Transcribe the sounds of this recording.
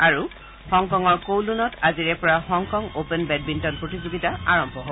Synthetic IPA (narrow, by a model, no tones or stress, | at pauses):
aɹu | hɔŋkɔŋɔɹkowlunɔtʰaziɹɛpɔɹaxɔŋkɔŋopenbɛd̚bintɔnpɹotizoɡitaaɹɔmbʱɔɦo